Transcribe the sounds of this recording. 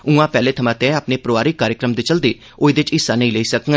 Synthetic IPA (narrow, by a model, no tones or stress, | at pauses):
ũːãːpɛːleːt̪ʰəmãːt̪ẽaːpneːpɾoːʋaːɾikːaːɾjəkɾəmd̪eːt͡ʃəld̪eː | oid̪ɪt͡ʃɪsːaːnə̃ĩːleiːsək